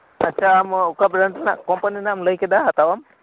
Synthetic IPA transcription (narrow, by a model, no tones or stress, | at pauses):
ətːt͡ʃʰaːmukabɾaɳʈna̰kɔmpaninaːmləjkɛd̪aɦat̪awam